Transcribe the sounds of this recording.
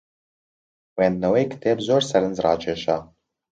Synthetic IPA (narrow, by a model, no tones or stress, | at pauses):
weanːawejkʰtʰeːbzorsaɾɨnzra̰ːt͡ʃʼeʃa